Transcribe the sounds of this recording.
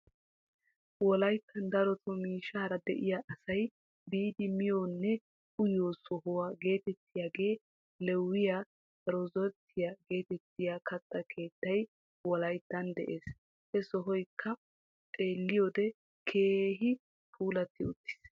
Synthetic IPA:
wɔlɐjt̪ʰːɐnd̪ɐɾɔt̪ʰɔmiːʃːaːɾɐd̪ɛʔɪjaːʔɐsɐj | biːd̪ɪmɪjonːɛ | ʔʊjoːsɔɦɔwaːɡe̞ːt̪ɛt̪ːɪjaːɡe̞ː | lɛwːɪja | ɛɾɔzɔt̪ʰːɪjaɡe̞ːt̪ɛt̪ːɪjakʰɐt̪ːɐkʰe̞ːt̪ːɐj | wɔlɐjt̪ːɐnd̪ɛʔe̞ːs | hɛsɔɦɔjkʰːɐ | t̪ʼe̞ːlːɪjod̪ɛ | kʰeːɦɪ | pʰuːlɐt̪ːɪʊt̪ːɪ̥s

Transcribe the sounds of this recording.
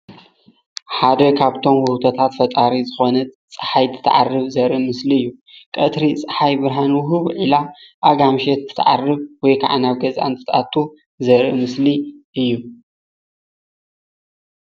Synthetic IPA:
ħad̪ɐkʰaβt̪ʰo̞mwʊwt̪ʰot̪ʰat̪fɐt̪ʼaɾizɨxo̞nɐt̪t͡sʼɨ̥ħajt̪ʰɨ̥t̪ʰːɐʕa̰rːɨβzɐɾʔimɨsliɨjːukʼɐt̪ʰɾit͡sʼɨ̥ħajbɨɾɦanwʊɦuβʕilaʔaɡamʃɛt̪ʰːɨ̥t̪ʰːʕarːɨβwɔjkʰa̰ʕa̰naβɡɐzʔa̰nt̪ʰɨ̥t̪ʼa̰t̪ʰu | zɐɾimɨsliʔɨjːu

